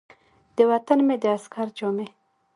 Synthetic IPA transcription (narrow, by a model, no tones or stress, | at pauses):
d̪̥əwat̪anmed̪əaskaɾd͡ʒome